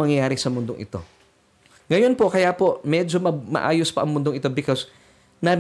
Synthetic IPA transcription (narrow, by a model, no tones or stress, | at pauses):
ɐŋjɐjaːɾɪsɐmʊnd̪oŋʔɪ̰t̪o̞̰ | ŋɐjonpoʔkɐjapomɛd͡ʒomɐmɐ̰ʔa̰ːjospɐʔɐŋmʊnd̪oŋʔɪt̪obɪkos | nɐ